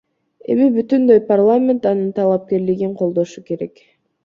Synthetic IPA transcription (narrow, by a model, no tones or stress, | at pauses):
e̞̰mibyt̪ynd̪ø̞jparlˠamʲe̞nt̪ɑnɯnt̪ʰɑlˠap̚ke̞ɾliɡiɴqʰo̞lˠd̪o̞ʃuke̞ɾe̞k